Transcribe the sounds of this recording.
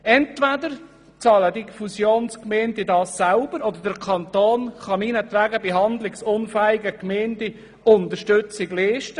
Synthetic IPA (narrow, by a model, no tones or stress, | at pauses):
ɛnt̪ʋæd̪əɾ | t͡sɑːlədifusjoːnskmendɪdɑːsːalb̥əɾɔd̪əɾdəɾkʰɑnt̪oːnχɑmiːnət̪ʋæɡəbeɦɑnd̪lɪksʊnfæːɪɡəkmeːndi | ʊnt̪əɾʃtʏt͡sɪɡliːʃtə